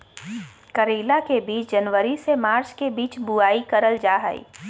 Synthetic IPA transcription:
kəɾiːlakebiːt͡ʃd͡ʒənʋəɾisemaːɾt͡ʃkebiːt͡ʃbuaːikəɾəld͡ʒaːɦə̰ḭ

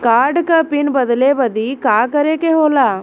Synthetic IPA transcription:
kaːɾɖkəpinbɐd̪lebəd̪ikaːkəɾekeɦoːlaː

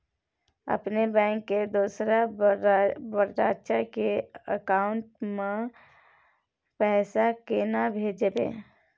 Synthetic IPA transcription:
ə̰pnebɛ̃ːŋkːed̪uːsɾa | bəɾt̪aːt͡ʃakeəkaːʊɳʈmẽ | pɛːsakenabʱeːd͡ʒebḛː

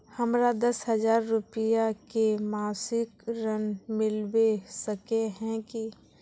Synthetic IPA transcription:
həmɾad̪ɐsɦəd͡ʒaːɾːʊpɪjakemaːsɪkɾənmɪlbesəkeɦɛ̃ki

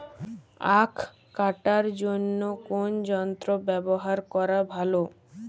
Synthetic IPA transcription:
akʰː | aʈaɾd͡ʑonːokond͡ʑɔnt̪ɾobɛboɦaɾkɔɾabʱalo

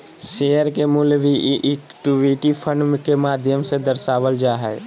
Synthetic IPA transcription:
ʃejəɾkemʊlʋʱiʔʔɪkʈuʋiʈipʰə̃ɳɖmkemaːd̪ʱjəmsẽd̪əɾsaːʋəld͡ʒaːɦɛː

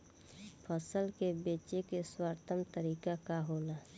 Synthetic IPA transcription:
pʰəsəlkebeːt͡ʃekeswaɾt̪ʰəmt̪əɾiːkakaɦoːlaː

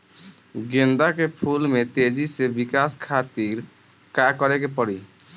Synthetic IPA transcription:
ɡẽnd̪akepʰulmet̪ed͡ʒisebɪkaskʰat̪iɾ | kakəɾekepəɽi

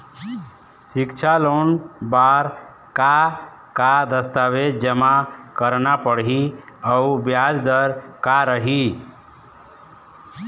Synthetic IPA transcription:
sɪkt͡ʃʰalonbaɾ | ka | kad̪əst̪awed͡ʒd͡ʒəmakəɾnapəɽɦiəubjad͡ʒd̪əɾkaɾəɦi

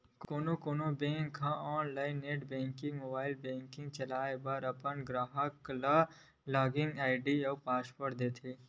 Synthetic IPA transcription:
kkoːnokoːnobẽːŋkʰɦãɔːnlaːɪnːeːʈbẽːŋkĩŋɡmoːbaːɪlbẽːŋkɪ̃ŋɡ̚t͡ʃɐlaːebaɾɐpənɡɾaːɦəkla | laːɡɪ̃ŋɡaːɪɖiɔːpaːspəʈd̪eːt̪ʰeː

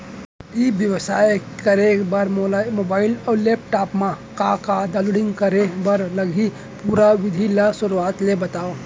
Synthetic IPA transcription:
ibjəʋsaːjkəɾekbaɾmoːbaːɪlɔːleːp̚ʈaːpmã | kakad̪əluɽɪ̃ŋɡkəɾebaɾləɡʱi | puɾaʋɪd̪ʱilasʊɾuaːt̪lebɐt̪aːo

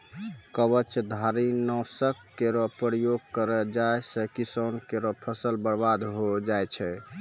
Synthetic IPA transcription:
kəbət͡ʃd̪ʱaɾinɔsəkːeɾɔpəɾjoɡ̚kəɾəd͡ʒaesɛkisənkeɾɔpʰəsəlbəɾbad̪ɦod͡ʒajt͡ʃʰɛ

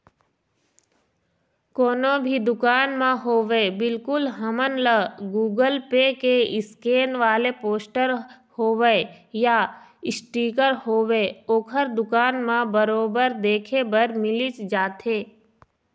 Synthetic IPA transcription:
koːnõbʱid̪ʊkaːnmãɦoːʋebɪlkʊlɦəmənləɡuːɡəlpekeɪskeːnʋaːlepoːsʈəɾ | hoːʋəeja | ɪsʈiːkəɾhoːʋeoːkʰəɾd̪ʊkaːnmãbəɾoːbəɾd̪eːkʰebəɾmɪlɪt͡ʃd͡ʒaːt̪eː

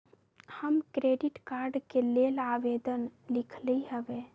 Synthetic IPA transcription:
həmkɾeɖiʈkaɾɖkelelaʋed̪ənlikʰləiɦəbe

